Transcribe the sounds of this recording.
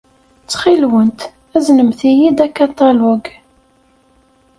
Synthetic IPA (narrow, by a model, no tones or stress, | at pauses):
t͡sːχilwənt̪ | æznəmθijid̪ækɑt̪ˤɑlɔɡ